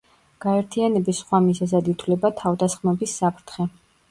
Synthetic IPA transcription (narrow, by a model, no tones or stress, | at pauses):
ɡ̥aɛɾt̪ʰianɛbisχwamizazɛd̪it̪ʰwlɛbat̪ʰavd̪asχmɛbisːapʰɾt̪ʰχɛ